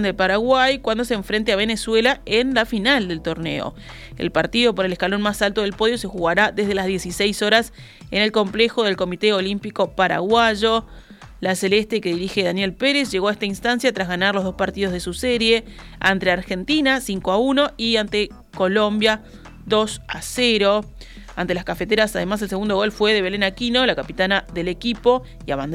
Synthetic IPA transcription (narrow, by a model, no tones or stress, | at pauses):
nd̪epaɾaɣwajkwand̪os̬eːɱfɾent̪̬eaβe̞neswelaenlafinald̪e̞lt̪o̞ɾne̞̰o̰ | ḛlpaɾt̪iðo̞p̬o̞ɾeleskalo̞nmasalt̪o̞ð̞elpo̞ð̞jo̞se̞xuɣaɾaðe̞zð̞e̞lazðje̞sisejso̞ɾas | ene̞lko̞mple̞xo̞ðelko̞mit̪eolimpiko̞paɾa̰ɣwaʒo̞ | laselest̪eke̞ðiɾixe̞ðanje̞lpeɾesʒe̞ɣo̞aeht̪ainst̪ansjat̪ɾazɣanaɾloɦðo̞spaɾt̪iðoð̞e̞suseɾje | ant̪ɾeaɾxe̞nt̪inasiŋkoauno̞iant̪e | ko̞lo̞mbja | ðo̞saseɾo̞ | ant̪e̞laskafet̪eɾasaðe̞mas̬e̞ls̬eund̪o̞ɣo̞lfwe̞ðe̞β̞e̞lenakinolakapit̪anaðe̞lekipo̞ | iaβand̪